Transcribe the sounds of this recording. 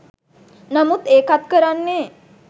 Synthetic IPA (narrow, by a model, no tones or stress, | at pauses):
namut̪eːkat̪kəɾanːeː